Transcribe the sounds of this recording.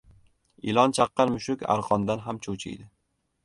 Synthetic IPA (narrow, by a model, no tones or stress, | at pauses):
ɪlˠɒnt͡ʃʰɑqːɑɾmʊʃʊkʲa̰ɾqʰɒnd̪anɦamt͡ʃʰot͡ʃʰɪ̰jd̪ɪ